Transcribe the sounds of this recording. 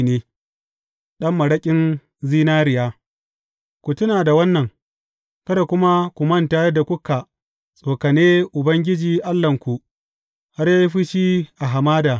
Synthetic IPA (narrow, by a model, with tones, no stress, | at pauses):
neː˦ | ɗɐ˦mːɐ˨ɽɐ˦kʲʼɪ˦n | ziː˦naː˦ɾɪ˨jaː˦ | kʷu˨tʊ˦naː˨da˨wɐ˦nːɐ˨ŋ | kɐ˦ɾa˨kʷʊ˦ma˦kʷu˨mɐ˦ntaː˦jɐ˦da˨kʷʊ˦ka˨ | sʼoː˨kɐ˨neː˦ʔʊ˨bɐ˦ŋɡʲɪ˦d͡ʒiː˨ʔa˦lːɐ˨ŋkʷu˨ | ha˦rjaː˦ji˦ɸi˦ʃiː˦ʔa˨ɦa˨maː˦daː˨